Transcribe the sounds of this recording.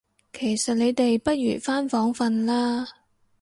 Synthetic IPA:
kʰe˨˩jsɐ˨t̚ne˨˧jt̪e˨jpɐ˥t̚jy̰ː˨˩faː˥nfɔː˨˥ŋfɐ˧nlaː˥

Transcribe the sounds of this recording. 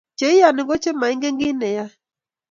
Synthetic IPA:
t͡ʃe˨˦ɪ˦ja˨nɪ˨ŋɡɔ˦t͡ʃe˦ma˨ɪ˦ŋɡe˦ŋɡɪ˦nɛ˨ja˦

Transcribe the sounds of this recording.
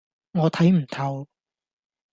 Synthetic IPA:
ŋɔː˨˧t̪ʰɐ˨˥jm̩˨˩t̪ʰɐ˨˧w

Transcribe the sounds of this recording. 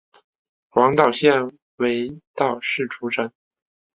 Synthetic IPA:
wɑ˧˥ŋt̪ɑ˨˩ʊɕjɛ˥˩n | we˧˥ɪt̪ɑ˥˨˩ʊʂɻ̩˥˩ʈ͡ʂʰu˧˥ʈ͡ʂʰə˧˥n

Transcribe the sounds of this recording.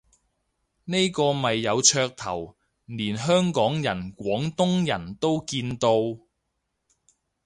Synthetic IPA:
ne˥jkɔː˧mɐ˨jːɐ˨˧wt͡ʃʰœː˧k̚t̪ʰɐ̰˨˩w | niː˨˩nɦœː˥ŋkɔː˨˥ŋjɐ˨˩nkʷɔː˨˥ŋt̪ʊ˥ŋjɐ̰˨˩nt̪o˥wkiː˧nt̪o˧w

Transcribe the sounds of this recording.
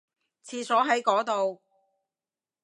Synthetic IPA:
t͡sʰiː˨˧sɔː˨˥ɦɐ˨˥jkɔː˨˥t̪o˨w

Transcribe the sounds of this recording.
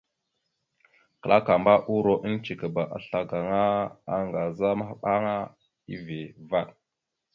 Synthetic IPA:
kə˨la˦ka˨mba˦ʔu˦ɾo˨ʔi˦n˦t͡ʃi˨kə˨ba˨ʔa̰˨ɬa˨ɡa˨ŋa˦a˦ŋɡa˨za˦ma˦hɓa˦ŋa˦ | ḭ˦ve˨va˦ɗ

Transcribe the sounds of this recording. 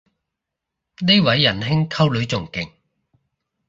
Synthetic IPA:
ne˥jwɐ˨˥jːɐ˨˩nɦɪ˥ŋkʰɐ˥wlɵ˨˧˥ɥt͡sʊ˨˩ŋkɪ˨˩ŋ

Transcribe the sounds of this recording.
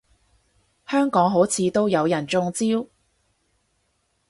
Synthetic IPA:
hœː˥ŋkɔː˨˥ŋɦo˨˥wt͡sʰiː˨˧t̪o˥wjɐ˨˧wjɐ˨˩nt͡sʊ˧ŋt͡siː˥w

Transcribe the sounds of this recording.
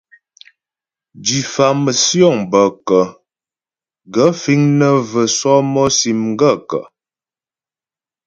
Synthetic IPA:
d͡ʒi˨fa˨mə˨sjɔ˦˨ŋbə˨kə˨ | ɡə˨˦fi˦ŋnə˦və˨sɔ˦mɔ˦si˨mŋ˦ɡə˦˨kə̰˨

